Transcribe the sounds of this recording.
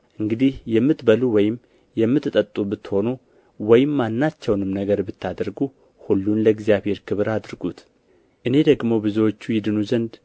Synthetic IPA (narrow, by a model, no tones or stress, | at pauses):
ʔɨŋɡɨd̪ihjɛmːɨt̪bəluwɔjɪm | jɛmːɨt̪ːɨt̪ʼːət̪ʼːubɨt̪ːho̞nu | wɔjɪmːanːat͡ʃːɛwnɨmnəɡəɾbɨt̪ːad̪ɾɡu | hulːunləɡzijaβhe̞ɾkʰɨβɨɾad̪ɾɨɡut̪ | ʔɨne̞d̪əɡmo̞bɨziwo̞t͡ʃːujɪd̪ɨnuzənd̪